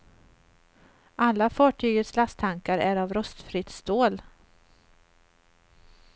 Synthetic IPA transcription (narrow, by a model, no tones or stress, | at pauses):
ʔalːafɑːʈʰyːɡət̪slast̪ʰaŋkaɾæɾavɾœst̪fɾɪt̪st̪oːl